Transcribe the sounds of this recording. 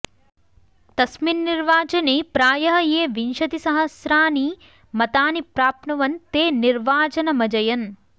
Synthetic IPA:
t̪ɐsminːiɾʋaːt͡ʃɐneːpɾaːjɐɦɐjeːʋinʃɐt̪isɐɦɐsɾaːni | mɐt̪aːnipɾaːpnɐʋɐnt̪eːniɾʋaːt͡ʃɐnɐmɐd͡ʒɐjɐn

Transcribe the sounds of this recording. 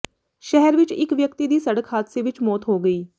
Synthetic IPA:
ʃɛɦɛɾʋɪt͡ʃɪkʋjəkt̪iːd̪iːsəɽəkhaːd̪seːʋɪt͡ʃmɔːt̪ɦoːɡəiː

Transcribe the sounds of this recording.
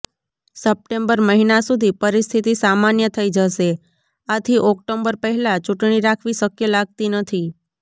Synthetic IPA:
səp̚ʈembəɾməɦinasud̪ʱipəɾist̪ʰit̪isamanjət̪ʰəid͡ʒəʃe | at̪ʰiʔɔkʈombəɾpəɦɛlat͡ʃuʈɳ̃iɾakʰʋiʃəkjəlaɡ̚t̪inət̪ʰi

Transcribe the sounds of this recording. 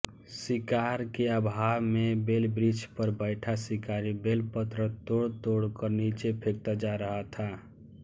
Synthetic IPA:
sikaɾkeəbʱamebelbɾid͡ʒpəɾbəɪʈʰasikaɾibelpət̪ɾət̪oɽt̪oɽkəɾnit͡ʃepʰek̚t̪ad͡ʒaɾəɦat̪ʰa

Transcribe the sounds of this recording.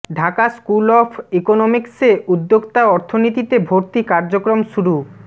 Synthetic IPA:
ɖʱakaskulɔfʰekonomikseʔud̪ːoɡt̪aɔɾt̪ʰonit̪it̪ebʱoɾt̪ikaɾd͡ʑokɾomʃuɾu

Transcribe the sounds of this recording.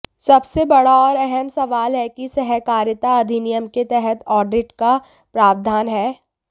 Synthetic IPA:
sɐbsebɐɽaɔːɾɛɦɛmsɐʋaːlɦɛkisɛɦɛkaːɾjət̪aɐd̪ʱinijəmket̪ɛɦɛt̪ɔːɾɖɪʈka | pɾaːbd̪ʱaːnɦɛː

